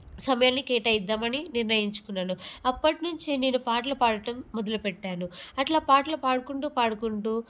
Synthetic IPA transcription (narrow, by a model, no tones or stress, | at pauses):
sɐmɐjaːlnikɛːʈɐjid̪ːaːmɐniniɾnɐjiɲt͡ʃu̥kunːaːnuɐpːɐʈnuɲt͡ʃineːnupaːʈ̬lɐpaːɽɐʈɐmːɔd̪ɐlupɛʈːaːnuɐʈlaːpaːʈlɐpaːɽukuɳʈuːpaːɽukuɳʈuː